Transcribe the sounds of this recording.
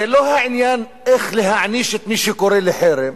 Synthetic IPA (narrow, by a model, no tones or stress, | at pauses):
eloːhaʕɪnjaːn | ʔexlihaʕniːʃet̪miːʃekoɾelɪħeːɾe